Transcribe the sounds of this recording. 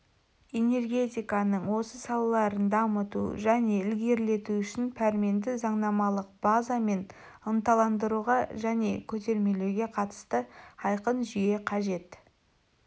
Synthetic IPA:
e̞ne̞rɡʲe̞t̪ʲijkɑnəɴwo̞səsɑlˠɑlˠɑɾənd̪ɑmət̪ṵʒæne̞ɪlɡʲe̞ɾle̞t̪uʏʃɪnpʰæɾme̞nd̪ɪzɑɴnɑmɑlˠəq̚b̥azɑme̞n | ənt̪ɑlˠɑnd̪əɾuʁɑʒæne̞kʲʰɵt̪̬e̞ɾme̞lewɡʲe̞qʰɑt̪ə̥st̪əɑjqənʒije̞qʰɑʒe̞t̪

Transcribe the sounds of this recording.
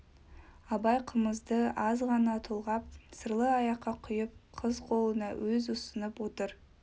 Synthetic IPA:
ɑbɑjqʰəməzd̪əɑzʁɑnɑt̪ʰolˠʁɑp̚səɾlˠəɑjɑqːɑqʰʊjəp̚qʰəzqʰo̞lˠənɑwɵzʊsənəpwo̞t̪əɾ

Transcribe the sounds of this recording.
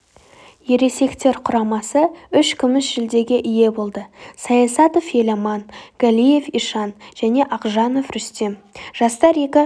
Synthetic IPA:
je̞ɾe̞se̞kt̪e̞ɾqʰʊɾɑmɑsəʏʃkʲʰʏmɪsʒ̥ɪld̪e̞ɡʲe̞ʔɪje̞bo̞lˠd̪əsɑjɑsɑt̪ofje̞lɑmɑnɡ̥alʲije̞fiʃɑnʒ̥æne̞ʔɑqʒɑno̞fɾʏst̪e̞mʒ̥ɑst̪ɑɾe̞kʲɪ

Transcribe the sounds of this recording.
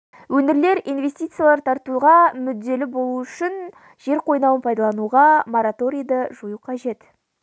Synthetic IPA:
wɵnɪɾle̞ɾijnve̞st̪ijt̪sɨjalˠɑɾt̪ʰɑɾt̪uʁɑmʏd̪ːe̞lɪbo̞lˠuʏʃɪn | ʒ̥e̞ɾqʰo̞jnɑwənpʰɑjd̪ɑlˠɑnuʁɑmoɾat̪o̞ɾijd̪əʒujuqʰɑʒe̞t̪

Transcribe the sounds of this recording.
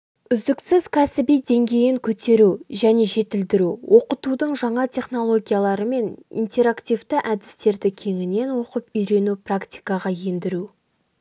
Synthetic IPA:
ʏzd̪ɪksɪzkʲʰasɪbijd̪e̞ŋɡʲe̞jɪŋkʲʰɵt̪e̞ɾuʒæne̞ʒe̞t̪ɪld̪ɪɾuwʔo̞qət̪ud̪əɴʒɑɴɑt̪ʲʰe̞χno̞lˠo̞ɡʲijalˠɑɾəme̞nḭnt̪ʲe̞ɾakt̪ʲijvt̪ɪʔæd̪ɪst̪e̞ɾd̪ɪkʲʰe̞ŋɪne̞nwo̞qəpʏjɾe̞nuprakt̪ʲi̥jkɑʁɑje̞nd̪ɪɾu

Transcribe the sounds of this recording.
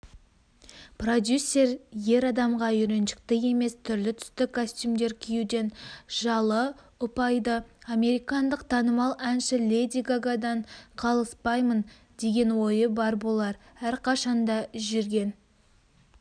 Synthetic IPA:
prod̪ʲjusʲːe̞ɾje̞ɾɑd̪ɑmʁɑʏɾe̞nʃɪ̥k̚t̪ɪe̞me̞st̪ʰʏɾlɪt̪ʰʏ̥st̪ɪkʰosʲt̪ʲumd̪e̞ɾkʲʰijud̪e̞nʒɑlˠə | ʊpɑjd̪əɑme̞ɾijkɑnd̪əqt̪ʰɑnəmɑlˠænʃɪlʲed̪iɡaɡad̪ɑɴqʰɑlˠəspɑjmən | d̪̥e̞ɡʲe̞nwo̞jəbɑɾbo̞lˠɑɾ | æɾqʰɑʃɑnd̪ɑʒʏɾɡʲe̞n

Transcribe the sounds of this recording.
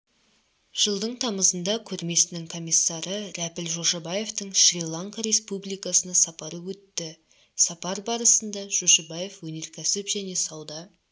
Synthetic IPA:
ʒ̥əlˠd̪əɴt̪ʰɑməzənd̪ɑkʲʰɵɾme̞sɪnɪŋkʰo̞mʲijsːɑɾəɾæpɪlʒo̞ʃɑbɑje̞ft̪əɴʃrʲilˠaŋkaɾʲe̞spublˠijkɑsənɑsɑpɑɾəwɵt̪ːɪ | sɑpɑɾbɑɾəsənd̪ɑʒ̥oʃɑbɑje̞fwɵne̞ɾkʲʰæsɪpʒ̥æne̞sɑwd̪ɑ

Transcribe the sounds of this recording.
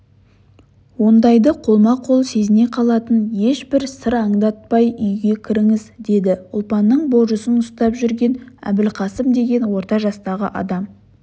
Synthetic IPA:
wo̞nd̪ɑjd̪əqʰo̞lˠmɑqʰo̞lˠse̞zɪne̞qʰɑlˠɑt̪ənje̞ʃbɪɾsəɾɑɴd̪ɑt̪̚pɑjʏjɡʲe̞kʲʰɪɾɪŋɪzd̪e̞d̪ɪʊlˠpɑnːəɴbo̞ʒəsənʊst̪ɑpʒʏɾɡʲe̞næ̰bɪlqʰɑsəmd̪e̞ɡʲe̞nwo̞ɾt̪ɑʒɑst̪ɑʁəʔɑ̰d̪ɑm

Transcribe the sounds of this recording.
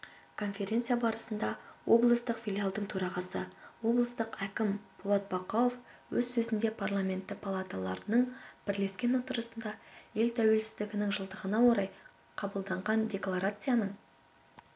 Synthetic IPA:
kʰo̞nfʲe̞ɾʲe̞nt̪sijabɑɾəsənd̪ɑwʔo̞̰blˠəst̪əqfʲilʲjalˠd̪əɴt̪ʰɵɾɑʁɑsəwo̞blˠəst̪əqækʲɪmb̥ʊlˠot̪̚bɑqoofwɵzsɵzɪnd̪e̞pʰarlˠamʲe̞nt̪ːɪpʰalˠat̪alˠɑɾənəɴb̥ɪɾle̞skʲe̞nwo̞t̪əɾəsənd̪ɑje̞lt̪ʰæwe̞lsɪzd̪ɪɡʲɪnɪŋʒəlˠd̪əʁənɑwo̞ɾɑj | qʰɑbəlˠd̪ɑɴʁɑndʲe̞klˠaɾat̪sɨjanəɴ

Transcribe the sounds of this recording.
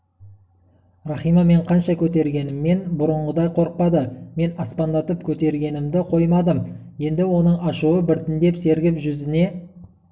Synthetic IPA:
rɑχijmɑme̞ɴqʰɑnʃɑkʲʰɵt̪e̞ɾɡʲe̞nɪmːe̞nbʊɾəɴʁəd̪ɑjqʰo̞ɾəq̚pɑd̪əme̞nɑspɑnd̪ɑt̪əpkʲʰɵt̪e̞ɾɡʲe̞nɪmd̪ɪqʰo̞jmɑd̪əmje̞nd̪ɪwo̞nəɴɑʃuwəbɪɾt̪ɪnd̪e̞pse̞ɾɡʲɪpʒʏzɪne̞

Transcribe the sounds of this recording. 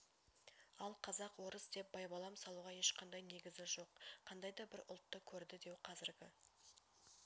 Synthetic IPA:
ɑlˠqʰɑzɑqwo̞ɾəsd̪e̞p̚bɑjbɑlˠɑmsɑlˠuʁɑje̞ʃqʰɑnd̪ɑjne̞ɡʲɪzɪʒo̞qqʰɑnd̪ɑjd̪ɑbɪɾʊ̰lˠt̪ːəkʲʰɵɾd̪ɪd̪e̞wqʰɑzɪɾɡʲɪ

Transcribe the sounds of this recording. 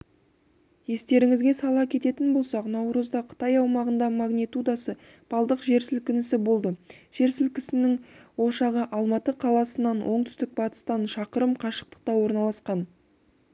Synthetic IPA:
je̞st̪e̞ɾɪŋɪzɡʲe̞sɑlˠɑkʲʰe̞t̪e̞t̪ɪnbo̞lˠsɑqnɑwɾəzd̪ɑqʰə̥t̪ɑjɑwmɑʁənd̪ɑmaɡnʲit̪ud̪ɑsə | b̥ɑlˠd̪əqʒe̞ɾsɪlkʲɪnɪsɪbo̞lˠd̪əʒ̥e̞ɾsɪlkʲɪsɪnɪŋwo̞ʃɑʁəʔɑlˠmɑt̪əqʰɑlˠɑsənɑnwʔo̞ɴt̪ʰʏ̥st̪ɪk̚bɑt̪ə̥st̪ɑnʃɑqəɾəmqʰɑʃə̥q̚t̪ə̥q̚t̪ɑwo̞ɾnɑlˠɑsqɑn

